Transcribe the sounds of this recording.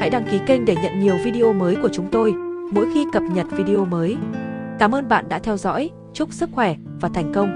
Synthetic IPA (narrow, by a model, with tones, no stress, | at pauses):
ha̰˧˥jɗa˧ŋki˨˦kï˧ŋ̟ɗe˧˩ɲə̰˧˨nɲi˨˩əwvi˧ɗi˧ʔo˧məː˨˦jku˧˩ət͡ɕʊ˨˦ŋ͡mt̪o˧jmo̰˧˥jxi˧kə˨˩p̚ɲə˨˩t̚vi˧ɗi˧ʔo˧məː˨˦jkaː˧˩mʔəː˧nɓa̰ː˧˨nɗa̰ː˧˥t̪ʰɛ˧wzɔ̰˧˥j | t͡ɕʊ˦˥k͡p̚sɨ˦˥k̚xwɛ˧˩vaː˨˩t̪ʰɛ˨˩jŋ̟kə˧wŋ͡m